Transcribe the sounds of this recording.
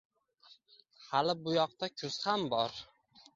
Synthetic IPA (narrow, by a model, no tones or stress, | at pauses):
halɪbʊjɒq̚t̪akʲʰʊz̥hambɒɾ